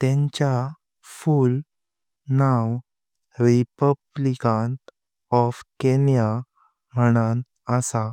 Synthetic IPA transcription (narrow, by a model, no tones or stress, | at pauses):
t̪ɛ̃ɲt͡ɕa | ful | naw | ɾipəblikan | ɔfkenja | m̤əɽ̃an | əsa